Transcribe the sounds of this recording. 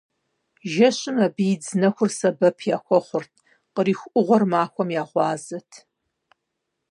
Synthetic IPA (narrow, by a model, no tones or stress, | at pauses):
ʒɐɕʼɪmɐbiːd͡znɐxʷʊrsɐbɐpʰjaːxʷɔχʷʊrtʰ | qəɾiːxʷʔʊʁʷɔrmaːxʷɔmjaːʁʷɑːzɐtʰ